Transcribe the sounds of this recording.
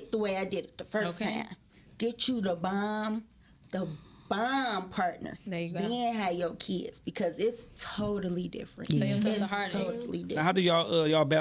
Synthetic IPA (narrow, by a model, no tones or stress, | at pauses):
t̪̚ðəweɪaɪdɨɾɨt̪̚ðəfɜ˞stʰã̰ɪ̃m | ɡ̥ɛt͡ʃɨðəbɑm | ðəb̥ɑ̃mpʰɑɹtⁿnə̰˞ðɨ̃nɨvjəkʰɪ̰dz̥b̥ɨkʰʌzɪtstʰoʊɾl̩ˠidɪ̰fɹɨ̰̃nɪtʰoʊɾl̩ˠidɪɦaʊdɨjəʌjəbɛ